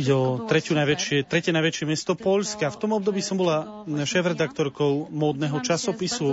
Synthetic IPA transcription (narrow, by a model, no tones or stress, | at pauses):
iɟɛɔt̪ɾɛcunajʋɛt͡ʃɪɛt̪ɾɛcɛnajʋɛt͡ʃɪɛmɛst̪ɔpɔʎskaft̪ɔmɔbd̪ɔbiːsɔmbɔla | ʃɛːfɾɛd̪akt̪ɔɾkɔʊmɔːd̪nɛɦɔt͡ʃasɔpisu